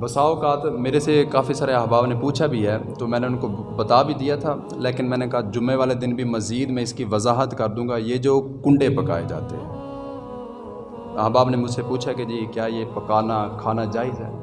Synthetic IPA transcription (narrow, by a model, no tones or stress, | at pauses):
bɐsaːokaːt̪meːɾesekaːfisaːɾeəɦbaːbnepuːt͡ʃʰabʱiɦɛːt̪oːmɛ̃ːneʊnko | bət̪aːbʱid̪ijat̪ʰaː | leːkɪnmɛ̃ːnekɐɦad͡ʒʊmeʋaːled̪ɪnbʱimɐziːd̪mɛ̃ɪskiʋɐzaːɦət̪kəɾd̪ũːŋɡajed͡ʒoːkʊ̃ɳɖepɐka̰ːed͡ʒa̰ːt̪eɦɛ̰̃ː | əɦbaːbnemʊd͡ʒsepuːt͡ʃʰaked͡ʒiːkjaːjepəkaːnakʰaːnad͡ʒaːɪzɦɛ̰ː